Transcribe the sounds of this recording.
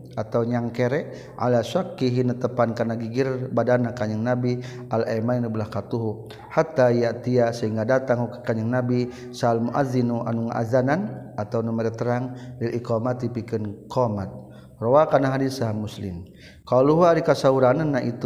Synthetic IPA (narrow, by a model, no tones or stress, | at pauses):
at̪awɲaŋkeɾɛʔ | ʕa̰lasakːiɦinət̪əpankanaɡiɡirbadanakaɲəŋnabi | alamainəbəlahkat̪uɦu | hat̪ajaʔt̪iasəɦiŋɡadat̪aŋukə̥kaɲəŋnabi | saːlmuʔa̰ðinuʔa̰nuŋʔa̰ðananʔat̪awnumɛɾɛt̪əɾaŋlilʔikɔmat̪ipikənkɔmat̪̚ | rɔwakanaɦadisaɦamːuslɪ̰m | kaluɦuaɾikasauɾananːaʔit̪u